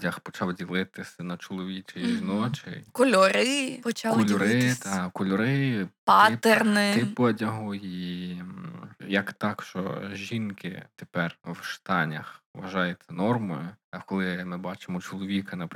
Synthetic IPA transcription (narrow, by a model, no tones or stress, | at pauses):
dʲɐxpɔt͡ʃɑwdʲilˠɪt̪ɪsʲɐnɐt͡ʃɔlˠɔʋʲit͡ʃejʒnɔt͡ʃɪ̰jkɔlʲɔɾɪpɔt͡ʃakɔlʲɔɾɪkɔlʲɔɾɪpat̪ernɪtɪpɐdʲɐɦʊi | jɐkt̪ɑkʃt͡ʃɔ̰ʒʲinkɪ̰t̪epɛrwʃt̪ɑnʲɐ̰xʋɐʒɑjɛt̪sʲɛnɔrmɔjʊɐkɔlˠɪmɪbɑt͡ʃemɔt͡ʃɔlˠɔʋʲikɐnɐp